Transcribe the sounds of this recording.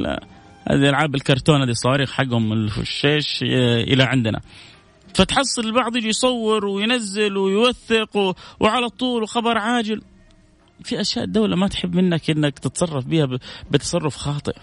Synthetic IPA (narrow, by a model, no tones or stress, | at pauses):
la̰ | ha̰ːd̪iʔalʕaːbɪlkɑɾˤt̪oːnhaːd̪isˤːɑwɑːɾiːxħaɡːhʊmɪlfʊ̰ʃːeːʃʔɪ̰laʕɪnd̪na̰ | fat̪ħɑsˤːɨlɪlbɑʕd̪ˤjɪd͡ʒijsˤɑwːɪɾwɪjnazːɪlwɪjwaθːɪqwwʕalat̪ˤuːlwxɑbɑɾˤʕaːd͡ʒɪl | fiʔaʃjaːʔd̪ːawlamat̪ħɪbːmɪnːakʔɪnːakt̪ɪt̪sˤɑrˤːɑfbiːhabɪt̪ɑ̥sˤɑrˤːʊfxɑːt̪ˤɨ̰ʔ